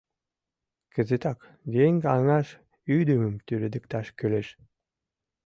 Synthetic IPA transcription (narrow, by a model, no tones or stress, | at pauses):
kə̆zet̪ɑk | jeŋɡɑŋɑʃ | yd̪əmə̆mt̪yɾed̪ə̆k̚t̪ɑʃkøleʃ